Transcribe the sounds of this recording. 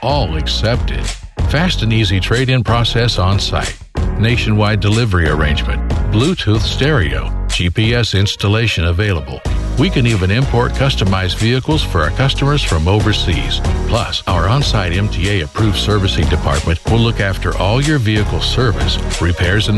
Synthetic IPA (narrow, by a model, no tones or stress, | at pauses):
ʔɔlˠɨksɛp̚tɪ̰d̥fæstɨ̃nizitʰɹ̥eɪɾɪ̃ŋpʰɹ̥ɔsɛsɑ̃nsa̰ɪt̚neɪʃɨ̃nwaɪdɨlɪvə˞iə˞ẽɪ̃nd͡ʒmɨ̰̃nb̥lutʰuθstɛɹio̰ʊ̥d͡ʒipiɛsɪ̃nstəleɪʃɨ̃nəveɪlˠəbl̩ˠwikɨ̃nivɨ̃nɪ̃mpʰɔɹt̚kʰʌstəmaɪzviɨkl̩ˠz̥fə˞kʰʌstəmə˞z̥fɹʌ̃moʊvə˞sḭz̥pʰl̥ʌ̰saʊə˞ə̃nsaɪɾɛ̃mtʰieɪɨpʰɹ̥ufsɜ˞vɨsɪ̃ŋdɨpʰɑ̰ɹt̚mɨ̃nʔwɪlʊkæftʰə̰˞ʔɔlˠjə˞viɨkl̩ˠsɜ˞vɨ̰sɹipʰɛɹzɨ̃n